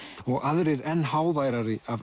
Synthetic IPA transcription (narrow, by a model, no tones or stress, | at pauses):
ɔɣʔaðɾɪɾɛnhawvajɾaɾiʔav